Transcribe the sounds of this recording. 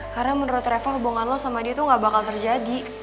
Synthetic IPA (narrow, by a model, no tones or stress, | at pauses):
karnamənəɾʊt̪ɾɛfaɦubuŋanlɔhsamadit̪uŋɡaʔbakalt̪ərd͡ʒadi